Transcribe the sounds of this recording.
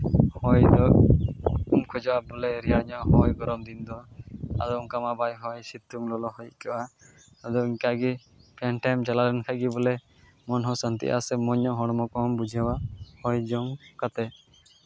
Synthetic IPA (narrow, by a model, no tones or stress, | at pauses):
hɔjd̪ɔk | umkʰɔd͡ʒɔwabɔlɛɾijaɽɲɔʔɦɔjɡɔɾɔmd̪ind̪ɔa̰d̪ɔuŋkamabajɦɔjsit̪ːuŋlɔlɔhɔjkɔʔa | ad̪ɔiɲkaɡi | pʰɛnʈajmd͡ʒaladɛnkʰaɡibɔlɛ | mɔnɦɔsənt̪ḭʔa̰sɛmɔɲɔɦɔɽ̃ɔmɔkɔmbud͡ʒʱawahɔjd͡ʒɔŋkat̪ɛ